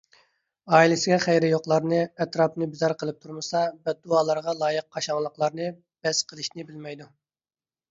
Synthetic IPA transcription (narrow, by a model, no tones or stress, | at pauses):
ɑːilɪsɪɡʲɛχɛjɾɪjoqlˠɑɾnɨɛt̪ɾɑpnɨbɪzɑɾqʰəlˠɨp̚t̪ʰuɾmɨsɑbɛt̪̚ːuɑːlˠɑɾʁɑlˠɑːjəq̚ʰːɑʃɑŋlˠəqlˠɑɾnɨ | b̥ɛsqʰəlˠɨʃnɪbɪlmɛjd̪u